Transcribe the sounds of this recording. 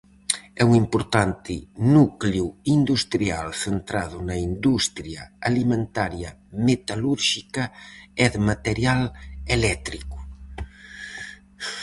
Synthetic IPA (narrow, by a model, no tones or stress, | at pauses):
ɛuŋimpoɾt̪ant̪ɪnukljuind̪ust̪ɾialsent̪ɾaðʊnɐind̪ust̪ɾjɐ̰alimẽnt̪aɾjɐmet̪aluɾʃikɐɛðemat̪eɾjalelɛt̪ɾikʊ̥